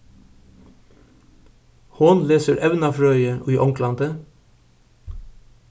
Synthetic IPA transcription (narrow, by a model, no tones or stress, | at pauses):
hʊnleːsəɾʔɛʋnɑfɹœʏəʔo̰ːiːʔɔŋkʰlɑnd̪ə